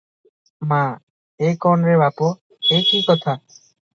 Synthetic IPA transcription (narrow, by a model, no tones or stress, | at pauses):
mã | ekɔnɾebapo | ekikɔt̪ʰa